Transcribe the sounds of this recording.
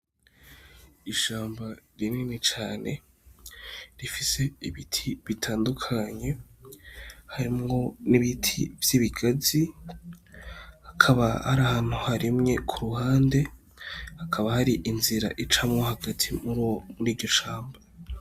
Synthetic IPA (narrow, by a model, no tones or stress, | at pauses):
iʃaːmbaɾinninit͡ʃaːne̞ | ɾifise̞iβitʰiβitʰaːndukʰaɲe̞ | haɾimŋo̞niβitʰḭvj̥iβiɡazi | hakʰaβaha̰ɾahaːn̥huhaɾimŋe̞kʰuɾuhaːnde̞ | hakʰaβahaɾiʔinziɾa̰ʔit͡ʃamŋo̞haɡatʰimuɾmuɾiːɾɟo̞ʃaːmba